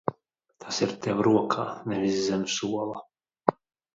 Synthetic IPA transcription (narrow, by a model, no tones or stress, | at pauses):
t̪ʰasiɾt̪ɛwɾuɔkʰaːnɛvʲizːɛnʲusuɔlˠa